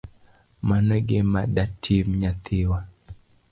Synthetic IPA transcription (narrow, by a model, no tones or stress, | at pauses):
manɔɡemadatʰimɲat̪ʰɪwa